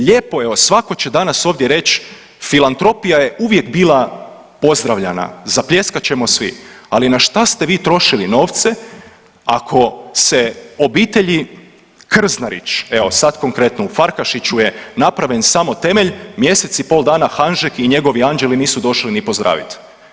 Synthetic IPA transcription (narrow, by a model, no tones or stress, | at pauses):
ʎe̞ːpo̞eʋo̞sʋako̞t͡ɕed̪anaso̞ːʋd̪jeɾe̞t͡ɕ | filˠant̪ɾo̞pijaje̞ʔuʋje̞kbilˠa | po̞zd̪ɾaʋʎana̰zapʎe̞skat͡ɕe̞mo̞sʋḭalinaʃt̪ast̪eʋiːt̪ɾo̞ʃilino̞ːʋt̪se | akʰo̞seo̞biːt̪eʎi | kr̩znaɾḭt͡ʃe̞ʋo̞sat̪ko̞ŋkɾe̞t̪noufaɾkaʃit͡ɕuje̞napɾaʋje̞nsamo̞t̪e̞meʎmje̞se̞t̪sipo̞ld̪aːnaxanʒekiɲe̞ɡo̞ʋiand͡ʒeliniːsud̪o̞ʃlinipozd̪ɾʔa̰ːʋḭt̪